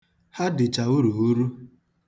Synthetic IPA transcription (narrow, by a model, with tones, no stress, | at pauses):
ha˦dɪ˨t͡ʃa˨u˦ɾu˨u˦ɾu˦